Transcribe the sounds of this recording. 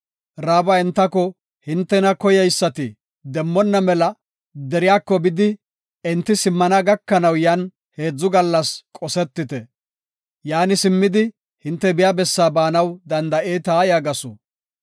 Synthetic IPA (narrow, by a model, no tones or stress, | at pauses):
ɾaːbɐɪnt̪ːɐkɔ | hɪnt̪ːɛnɐkɔjɛjsːɐt̪ɪ | d̪ɛmːɔnːɐmɛlɐ | d̪ɛɾɪjaːkːɔbɪd̪ɪ | ɛnt̪ːɪsɪmːɐnɐɡɐkːɐnɐwjɐn | he̞ːd͡zːʊɡɐlːɐskʼɔsɛt̪ːɪt̪ɛ | jaːnɪsɪmːɪd̪ɪ | hɪnt̪ːɛbɪjaːbɛsːaːbaːnɐwd̪ɐnd̪ɐʔeːt̪aːjaːɡɐsɔ̰